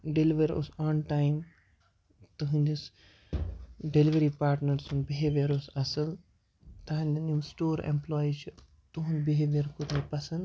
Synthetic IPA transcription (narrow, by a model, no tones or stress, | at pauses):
ɖeliʋɐɾo̰sɔːnʈaːjm | t̪ɐɦũnd̪is | ɖeliʋɐɾipaːɾʈnɐɾsunbiɦeːʋijɐɾosɐsɐl | t̪ɐɦɐ̃nʲd̪ɐnimsʈoːɾḛ̃mplɔːit͡ʃʰu | t̪uɦũnbiɦeːʋijɐɾkot̪nɐpɐsɐnd̪